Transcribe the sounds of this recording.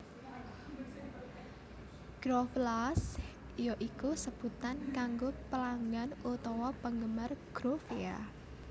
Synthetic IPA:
ɡ̥ɾɔflas | jɔʔikusəb̥ṳt̪ankaŋɡopəlaŋɡanut̪ɔwɔpəŋɡəmarɡ̥ɾofea̰

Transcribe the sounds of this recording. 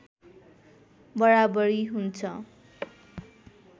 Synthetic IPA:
bʌɽabʌɾiɦunt͡sʰʌ

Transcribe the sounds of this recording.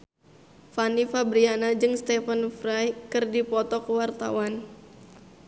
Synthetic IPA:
fanifabɾianad͡ʒɨŋst̪ɛfənfɾajkɨrdipɔt̪ɔkəwart̪a̰wan

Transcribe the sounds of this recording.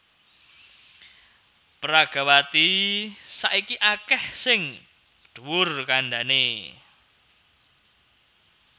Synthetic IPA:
pɾaɡ̥a̤wat̪isaʔikiʔakɛhsɪŋ | ɖ̪̥uwʊrkaɳɖane

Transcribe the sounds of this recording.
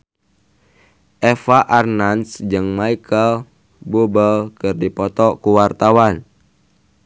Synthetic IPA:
ʔɛfaʔarnansd͡ʒɨŋmaikəl | bubəlkɨrdipɔt̪ɔkuwart̪awan

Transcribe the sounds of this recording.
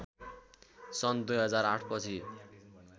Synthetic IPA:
sʌnd̪ujɦʌd͡zaɾaʈʰpʌt͡sʰi

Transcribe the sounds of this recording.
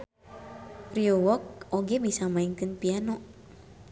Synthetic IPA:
pɾiowɔk̚ʔoɡɛbisamaiŋkɨnpianɔ

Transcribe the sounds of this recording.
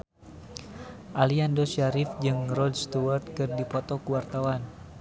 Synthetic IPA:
ʔaliandɔsaɾifd͡ʒɨŋrɔdst̪uwart̪̚kɨrdipɔt̪ɔkuwart̪awan

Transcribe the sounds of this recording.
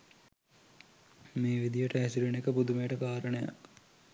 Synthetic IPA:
meːʋid̪ijəʈəɦæsiɾunekəpud̪umejːʈəkaːɾənəja̰k

